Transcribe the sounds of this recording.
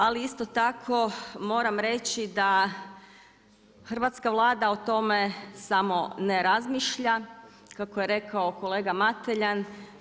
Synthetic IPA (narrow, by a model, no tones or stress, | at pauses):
aliist̪ot̪akʰo̞mo̞ːɾamɾe̞t͡ɕid̪a | xr̩ʋaːt̪skaʋlˠaːd̪aot̪o̞me̞samo̞neɾazmiːʃʎa | kakoje̞ɾe̞kaoko̞leːɡamat̪eʎan